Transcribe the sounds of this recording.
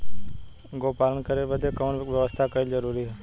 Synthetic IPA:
ɡoːpaːɾənkəɾebəd̪ʱekənʋjəʋəst̪ʰakəild͡ʒəɾuːɾiɦɛː

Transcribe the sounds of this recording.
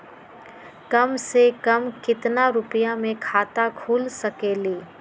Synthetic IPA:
kɐmsekɐmkɪt̪naɾʊpjamẽkʰaːt̪akʰuːlsɐkeːliː

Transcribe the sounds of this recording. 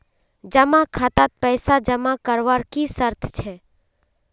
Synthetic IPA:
d͡ʒəmãkʰat̪at̪̚pɛɪsad͡ʒəmakəɾʋaɾkisəɾt̪ʰt͡ʃʰɛ

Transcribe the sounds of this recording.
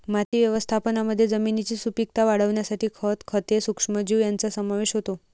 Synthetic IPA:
mat̪iʋjəʋəst̪ʰapənaməd̪ʱːjed͡zəminit͡ɕisupik̚t̪aʋaɽ̤əʋnjasaʈʰikʰət̪kʰət̪esukʂməd͡ʑujant͡sasəmaʋeʃɦot̪o

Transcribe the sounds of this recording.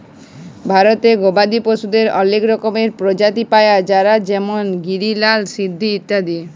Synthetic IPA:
bʱaɾot̪eɡobad̪iposud̪eɾɔlekɾɔkomeɾpɾod͡ʒat̪ipaead͡ʑaɾad͡ʑɛmonɡiɾilalsid̪ʱːiit̪ːad̪ie

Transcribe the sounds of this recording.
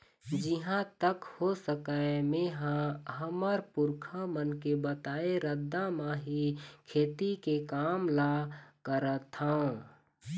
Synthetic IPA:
d͡ʒiɦãt̪əkhosəkəmẽɦãɦəməɾpʊɾkʰamənkebət̪aːeɾəd̪ːamãɦikʰeːt̪ikekaːmlakəɾət̪haũ

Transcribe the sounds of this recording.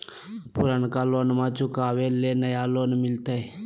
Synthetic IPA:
pʊɾənkaːloːnmãːt͡ʃʊkaːʋeleːnəjaːloːnmɪlt̪ee

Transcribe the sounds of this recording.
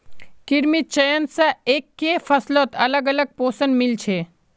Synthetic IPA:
kiɾmit̪̚t͡ʃəjənsaekːefʰəslot̪ɐləɡələɡ̚poːsənmilt͡ʃʰe

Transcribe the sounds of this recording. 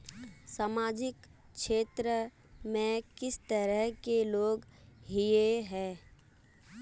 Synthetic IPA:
saːmaːd͡ʒɪk | ʃeːt̪ɾə | mẽkɪst̪əɾəɦkeloːɡɦijeɦɛ̃ː

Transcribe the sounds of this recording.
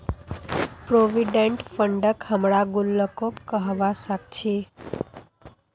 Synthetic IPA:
pɾoʋiɖeɳʈfəɳɖəkhəmɽaɡulːəkokːəɦʋasak̚t͡ʃʰe

